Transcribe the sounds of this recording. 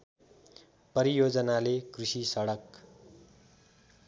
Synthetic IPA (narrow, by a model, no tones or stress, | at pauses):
pʌɾijod͡zʌnalekrisisʌɽʌk